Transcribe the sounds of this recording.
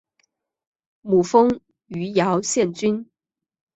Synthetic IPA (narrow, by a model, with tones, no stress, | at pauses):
mu˨˩fɤ˥ŋ | y˧˥jɑ˧˥ʊɕjɛ˥˩nt͡ɕy˥n